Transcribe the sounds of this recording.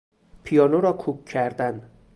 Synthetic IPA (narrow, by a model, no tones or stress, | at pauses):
pʰijɒːnoɾɒːkʰukʰcʰːæɾd̪æn